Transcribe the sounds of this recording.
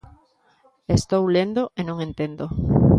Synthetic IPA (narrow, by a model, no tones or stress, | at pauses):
est̪owlend̪oʔenõŋent̪end̪o